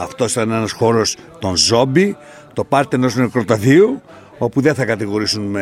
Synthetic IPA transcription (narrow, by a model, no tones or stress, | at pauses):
ɐft̪o̞sit̪ɐne̞nɐsxo̞ɾo̞st̪o̞nzo̞bi | t̪o̞pɐɾt̪ieno̞sinekɾot̪ɐθiu | o̞puðenθɐkɐt̪iɣo̞ɾisunme